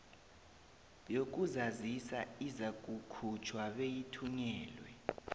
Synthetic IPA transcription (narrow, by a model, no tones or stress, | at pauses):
jok̬ʼuzazisaizak̬ʼukʰut͡ʃʰwaɓejitʰuɲɛːlwɛ